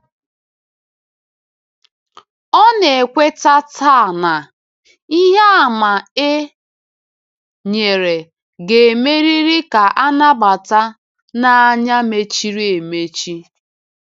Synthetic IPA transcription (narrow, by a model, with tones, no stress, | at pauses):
ɔ˦ne˨e˨kʷe˦ta˦tʰa˦˨na˨ | i˦ɦe˦a˨ma˨e˦ | ɲe˨ɾe˨ | ɡe˨me˦ɾi˦ɾi˦ka˨ʔa˦na˦ba˨ta˦ | na˨a˦ɲa˦me˨t͡ʃi˦ɾi˦e˨me˦t͡ʃi˦